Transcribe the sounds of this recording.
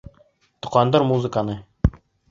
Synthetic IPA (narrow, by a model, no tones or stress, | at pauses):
t̪ŏqɑnd̪ɤɾmuzɘkanɤ